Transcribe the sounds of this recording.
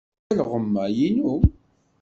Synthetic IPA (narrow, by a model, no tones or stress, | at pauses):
ælʁəmːæjinu